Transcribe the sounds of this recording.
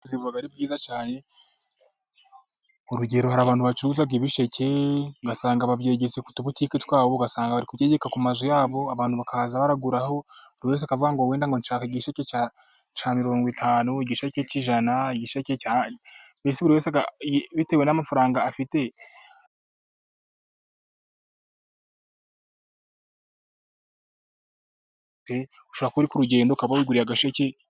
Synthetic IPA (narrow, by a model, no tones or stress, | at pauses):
ziβuβaɡaɾib̚ɡiːzat͡ʃaːne̞ | oɾuɟe̞ɾo̞haɾaːβaːnhuβat͡ʃiɾuːzabɡiβiʃece̞ɡasaːŋɡaβavje̞ːɟet͡seku̥tuβutiːketwaːβoɡasaːŋɡaβaɾikubje̞ɟekakumazojaːβo̞aβaːnhuβakahaːzaβaɾaɡuɾaho̞βuɾiwe̞ːs̬akavuɡaŋɡo̞we̞ːndaŋɡo̞nʃaːkaiɟiʃecet͡ʃa | t͡ʃamiɾo̞ːŋɡwitʰaːnuiɟiʃaceciʒanaiɟiʃecea | besiβuɾiwe̞ːs̬akaβitewenamafaɾaːŋɡaːfite̞ | te | uʃoɾakuuɾikuɾuɟe̞ːndoukaβawiɡuɾiaɡaʃece